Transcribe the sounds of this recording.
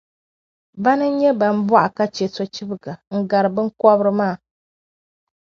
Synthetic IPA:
ba˦nɨ˦ɲɛ˦ba˨n̩˦bɔ˦ʔa˨ka˦t͡ʃɛ˨so˨t͡ʃi˦bɨ˦˨ɡa˨ŋ̩˦ɡa˨ɾɨ˨bɨ˦ŋ̩˦kɔ˦bɨ˦ɾɨ˦maː˦˨

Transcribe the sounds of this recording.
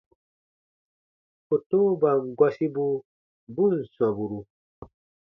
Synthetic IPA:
ko˨to˦ba˨ŋɡa˦si˦bu˦ | bũ˦n˨sã˨bu˨ɾu˨

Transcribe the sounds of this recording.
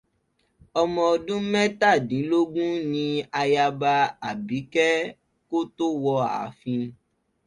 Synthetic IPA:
ɔ˧mɔ̃˧dũ˦mɛ̃˦ta˦˨dĩ˨˦lo˦ɡũ˦nĩ˧˦a˧ja˧ba˧a˨bi˨˦kɛ˦ | ko˦to˦wɔ˧a̰˨fĩ˧

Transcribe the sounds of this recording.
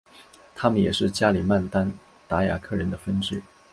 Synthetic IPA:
t̪ʰa˥mə˨njɛ˨˩ʂɻ̩˥˩t͡ɕja˥li˨˩ma˥˩nt̪a˥n | t̪a˧˥ja̰˨˩kʰɤ˥˩ɻə˧˥nd̪ə˧fə˥nʈ͡ʂɻy˥˩

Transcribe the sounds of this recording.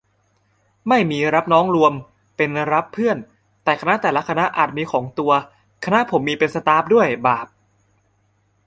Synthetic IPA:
ma˥˩jmiː˧ɾa˦˥p̚nɔː˦˥ŋlu˧əm | pe˧nɾa˦˥pʰːɯ˥˩ən | t̪ɛː˨˩kʰa˧na˦˥t̪ɛː˨˩la˦˥kʰa˧na˦˥ʔaː˨˩t̪̚miː˧kʰɔː˩˦ŋt̪u˧ɐ | kʰa˧na˦˥ʔpʰo˩˦mːiː˧pe˧nsa˧t̪aː˦˥p̚du˥˩əjbaː˨˩p̚

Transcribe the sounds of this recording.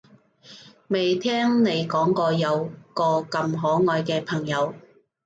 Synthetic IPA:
me˨jt̪ʰɛː˥ŋne˨˧jkɔː˨˥ŋkɔː˧jɐ˨˧wkɔː˧kɐ˧mɦɔː˨˥ŋɔː˧jkɛː˧pʰɐ˨˩ŋjɐ˨˧w

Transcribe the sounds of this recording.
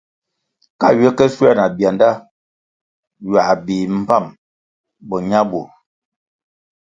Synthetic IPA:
ka˦ɥə˦kɛ˦fɥa˦˨na˨bja˨nda˦ | ɥa˨ʔbi˨m̩˦pa˦˨m | bɔ˨ɲa˦bo˨

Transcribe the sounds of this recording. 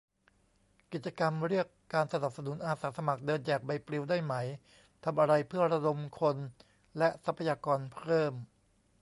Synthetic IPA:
ki˨˩t̪̚t͡ɕa˧ka˧mɾi˥˩əkːaː˧nsa˧na˨˩p̚sa˧nu˩˦˥nʔaː˧saː˩˦˥sa˧ma˨˩k̚dɤː˧nt͡ɕɛː˨˩k̚ba˧jpɾi˧wdaː˥˩jma˦˥j | t̪ʰa˧mʔa˧ɾa˧jpʰɯ˥˩əɾa˧do˧mkʰo˧n | lɛ˦˥ʔsa˦˥pʰa˧jaː˧kɔː˧npʰɤː˥˩m

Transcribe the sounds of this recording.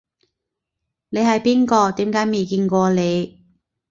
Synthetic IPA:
ne˨˧jɦɐ˨jpiː˥nkɔː˧t̪iː˨˥mkaː˨˥jmiː˨˧kiː˧nkʷɔː˧le˨˧j

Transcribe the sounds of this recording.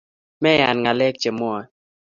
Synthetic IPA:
mɛ˦ja˨nŋa˨lɛ˦k̚t͡ʃe˨m˦ɔ˦˨

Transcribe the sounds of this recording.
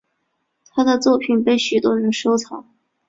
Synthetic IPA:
t̪ʰa˥d̪ə˨t͡swɔ˥˩pʰi˨˩npe˥˩ɪɕy˨˩t̪wɔ˥ɻə˧˥nʂo˥ʊt͡sʰɑ˨˩˦ʊ

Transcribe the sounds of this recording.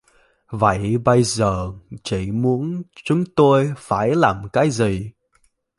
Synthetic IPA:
və̰˧˨jɓə˧jzəː˨˩t͡ɕi˧˩mu˨˦ənt͡ɕʊ˨˦ŋ͡mt̪o˧jfaː˧˩jlaː˨˩mkaː˨˦jzi˨˩

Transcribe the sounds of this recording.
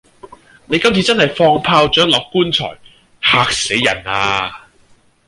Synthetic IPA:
ne˨˧jkɐ˥mt͡sʰiː˨˧˥t͡sɐ˥nhɐ˨jfɔː˧ŋpʰaː˧wt͡ʃœː˨˥ŋlɔː˨kːuː˥nt͡sʰɔ̰ː˨˩j | haː˨k̚se˨˥jːɐ̰˨˩naː˧

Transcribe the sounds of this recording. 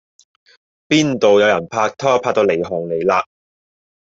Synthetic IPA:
piː˥nt̪o˨wjɐ˨˧wjɐ˨˩npʰaː˧k̚t̪ʰɔː˥˨˥pʰaː˧t̪o˨˧wle˨˩jɦɔː˨˩ŋle˨˩jlaː˧

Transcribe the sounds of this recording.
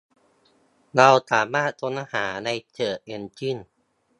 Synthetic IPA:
na˧wsaː˩˦maː˥˩t̪ʰːo˧na˧haː˩˦na˧jt͡ɕʰɤː˨˩ʔe˧nt͡ɕi˥˩n

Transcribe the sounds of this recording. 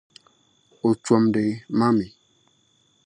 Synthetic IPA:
o˨t͡ʃwɔ˨mde˨˦ma˦mi˨

